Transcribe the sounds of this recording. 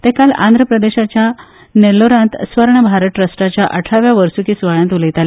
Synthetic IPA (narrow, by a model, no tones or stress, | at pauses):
t̪ẽkalã̰nd̪ʱɾəpɾəd̪eɕat͡ɕja | neloɾãnt̪sʋəɾɳəbʱaɾəʈ̪ɾəsʈat͡ɕjaʔəʈʰaʋjaʋəɾsukiːsʋəɭãnt̪uləjt̪ale